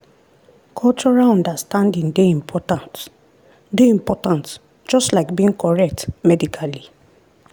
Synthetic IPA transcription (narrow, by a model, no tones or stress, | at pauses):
kʰɔlt͡ʃɔɹalɔ̃ndastãndĩŋdeĩmpʰɔtãnt | deĩmpɔtãnt | d͡ʒɔstlaɪkbiĩŋkʰɔɹɛk̚tmɛdikʰali